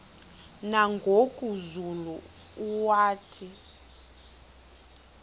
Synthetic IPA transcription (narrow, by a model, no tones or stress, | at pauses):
naŋɡʱokʼuzulu | uwaːtʰi